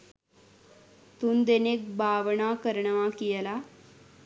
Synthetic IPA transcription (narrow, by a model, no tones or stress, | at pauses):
t̪und̪enek̚bʱaːʋɐɳaːkəɾɐɳɐʋãkijɐla